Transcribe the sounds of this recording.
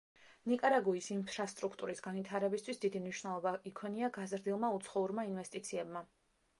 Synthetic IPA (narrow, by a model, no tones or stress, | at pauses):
nikʼaɾaɡuisimpʰɾast̪ʼɾukʰt̪ʼuɾisɡanvit̪ʰaɾɛbist̪ʰwisd̪id̪imniʃwnɛlˠɔbaikʰwɛniaɡazɾd̪ilˠmaut̪sʰχɔuɾmainvɛst̪ʼit̪sʰiɛbma